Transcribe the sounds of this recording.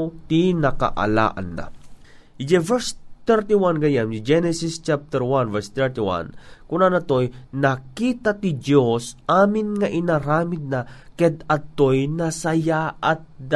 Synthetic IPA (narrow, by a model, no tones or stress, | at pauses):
t̪inɐka̰ʔa̰la̰ːʔa̰nːa̰ | d͡ʒɛvɛɹst̪ɛɹt̪iwanɡɐjand͡ʒɛnɛsist͡ʃap̚t̪ɛɹwanvɛɹst̪ɛɹt̪iwa̰nkʊnanɐt̪ojnakiːt̪at̪idjosʔaːmɪnŋɐʔɪnaɾaːmɪd̪̚nakɛd̪ɐt̪ojnɐsɐjaʔat̪̚d̪a